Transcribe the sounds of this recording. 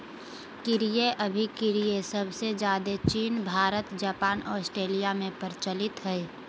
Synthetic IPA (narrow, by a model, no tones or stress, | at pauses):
kɪɾijeʔəbʱikɪɾijesəbʱsed͡ʒjaːd̪et͡ʃiːnbʱaːɾət̪d͡ʒaːpaːnɔːsʈɾeːlijamẽpəɾt͡ʃəlɪt̪ɦɛɛ